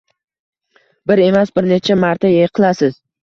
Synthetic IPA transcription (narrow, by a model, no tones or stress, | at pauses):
bɪɾe̞masbɪɾne̞t͡ʃʰamaɾt̪ʰajejqʰɨlˠasɪz̥